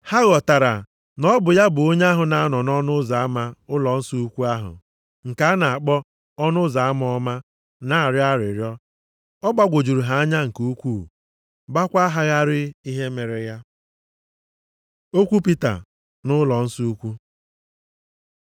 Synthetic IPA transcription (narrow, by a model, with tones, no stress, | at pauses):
ha˦ɣɔ˨ta˨ɾa̰˨ | nɔ˦bʊ˨ja˦bʊ˨o˦ɲ˦a˦ɦʊ˨na˨a˦nɔ˨nɔ˦nʊ˦za˨a˦ma˦ʊ˦lɔ˨n̩˦su˦u˦kʷu˦a˦ɦʊ̰˨ | ŋ̩˨ka˦a˦na˨a˨k͡pɔ˦ | ɔ˦nʊ˦za˨a˦m˦ɔ˦ma˦ | na˨a˨ɾɪ˦a˦ɾɪ˨ɾjɔ˦ | ɔ˦ɡ͡ba˦ɡʷo˨d͡ʒu˨ɾu˨ɦa˨a˦ɲa˦ŋ̩˨ko˦kʷuː˦˨ | ba˦kʷa˦ɦa˦ɣa˦ɾɪ˦i˦ɦe˦me˨ɾɪ˨ja˦ | o˦kʷu˦pi˦ta̰˨ | nʊ˦lɔ˨n̩˦su˦u˦kʷu˦